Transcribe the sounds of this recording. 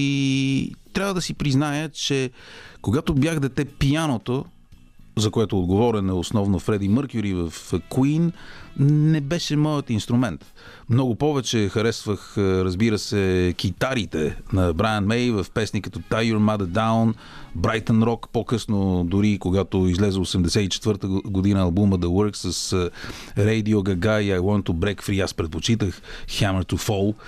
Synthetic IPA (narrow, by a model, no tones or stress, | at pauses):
i | t̪ɾʲavəd̪ɐsipɾiznajət͡ʃɛkoɡat̪objaɣd̪ɛt̪ɛpijanot̪o | zɐkoɛt̪ʊːd̪ɡovɔɾɛnɛosnɔvnofɾɛd̪iməɾkʲʊɾivɐfkwin | nɛbɛʃɛmɔjət̪inst̪ɾʊmɛnt̪ | mnɔɡʊpɔvɛt͡ʃɛxɐɾɛsvəxɾɐzbiɾəsɛk̟ʲit̪aɾit̪ɛnɐbɾajənmɛjvɐfpɛsnikət̪ɔt̪ajuɾmad̪d̪awn | bɾajt̪ənɾɔkpokɤsnod̪ʊɾikoɡat̪oizlɛzɛosɛmd̪ɛsɛt̪it͡ʃɛ̥t̪vɤɾt̪əɡod̪inəɐlˠbuməd̪ɐwəɾksəs | ɾɛjd̪ioɡɐɡaiajwɔnt̪obɾɛkfɾiaspɾɛt̪̚pot͡ʃit̪əxxaməɾt̪ufɔlˠ